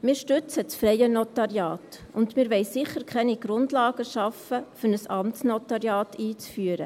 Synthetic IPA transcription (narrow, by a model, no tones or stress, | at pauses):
mɪːɾʃtʏt͡səsfɾɛjənotɑɾjɑːt | ʊndmɪːɾʋɛɪsɪχːəɾkχɛniɡ̥ɾʊndlɑːɡəʃɑfəfʏnəsɑmtsnotɑɾjɑːtiːt͡sfyːəɾə